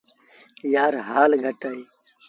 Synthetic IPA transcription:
jaːɾɦaːlɡʱɐʈai

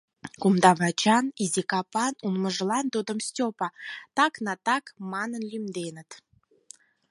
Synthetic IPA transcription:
kumd̪ɑβɑt͡ɕɑnizʲikɑpɑnumməʒlɑnt̪ud̪əmstʲopɑt̪ɑknɑt̪ɑkmɑnənlʲymd̪enət̪

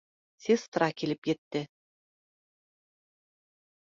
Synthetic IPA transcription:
sʲist̪ɾɑkilɘpjɘ̆t̪ːɘ

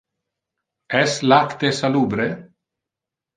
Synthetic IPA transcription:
ɛslakt̪esaluːbɾe

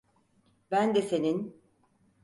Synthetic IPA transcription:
bænd̪ɛse̞nin

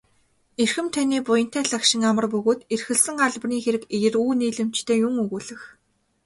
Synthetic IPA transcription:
erxɘ̆mt̪ʰaniːpʊjə̆n̥t̪ʰæːɮakʃɪ̆ŋamə̆rpɵɣoːt̪erxɘ̆ɮsɘ̆ŋɢaɮprniːxeɾɘ̆kejɘ̆ruːniːɮɘ̆m̥t͡ɕt̪ʰeːjʊŋɵɣuːɮɘ̆x

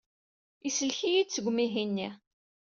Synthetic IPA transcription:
isəlçijid̪t͡sːəɡʷmiɦinːi

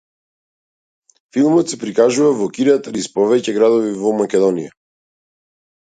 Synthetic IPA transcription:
filˠmɔt̪sɛpɾikaʒuvavɔkiɾat̪ɾispɔvɛcɛɡɾad̪ɔvivɔmakʲɛd̪ɔnija

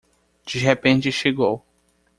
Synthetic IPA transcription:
d͡ʒiɦepẽnt͡ʃɪʃeɡow

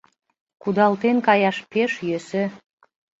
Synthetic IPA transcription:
kud̪ɑlt̪enkɑjɑʃpeʃjøse

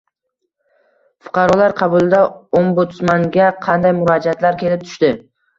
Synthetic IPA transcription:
fʊ̥qʰɑɾɒlaɾqʰɑbʊlˠd̪aombʊt̪smaŋɡʲaqʰɑnd̪ajmʊɾad͡ʒat̪laɾkʲe̞lɪp̚t̪ʰʊ̥ʃt̪ɪ

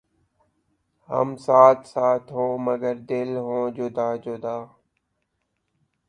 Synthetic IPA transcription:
hə̰msaːt̪saːt̪ɦõːməɡəɾd̪ɪlɦõːd͡ʒʊd̪aːd͡ʒod̪aː

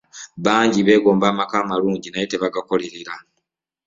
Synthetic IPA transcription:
βaːɲɟiβe̞ːɡo̞ːmbaːmakaːmaluːɲɟinajete̞βaɡako̞le̞ɾeɾa

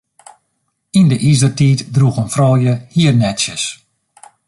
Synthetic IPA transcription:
indəʔizdərtiːtdruxənfrɔːjəhiərnɛtsjəs

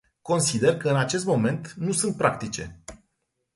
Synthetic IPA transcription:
ko̞nsid̪e̞rkəɨnat͡ʃe̞st̪mo̞me̞nt̪nusunt̪̚pɾakt̪it͡ʃe̞̰

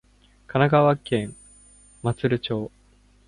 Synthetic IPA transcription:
kʰanaɡaβakẽ̞ŋ | mat͡sɨɾɯ̟t͡ɕo̞ː

